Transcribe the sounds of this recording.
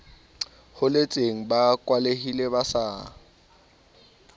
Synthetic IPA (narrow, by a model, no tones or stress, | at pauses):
hʊlet͡sʼeŋ̩bakʼwalehileβasaː